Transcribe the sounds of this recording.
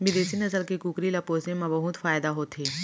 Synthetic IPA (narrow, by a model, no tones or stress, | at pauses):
bɪd̪eːsinɐzəlkikuːkɾilɐpoːznẽmɐ̃bɐɦʊt̪faːjd̪aɦoːt̪ʰeː